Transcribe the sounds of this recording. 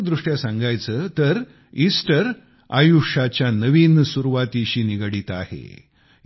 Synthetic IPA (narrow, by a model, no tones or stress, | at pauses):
d̪ɾuʂʈjasãŋɡajt͡səːt̪əɾ | isʈəɾ | a̰juʂat͡ɕjanəʋiːnsuɾuʋat̪iɕiːniɡəɽiːt̪ahḛ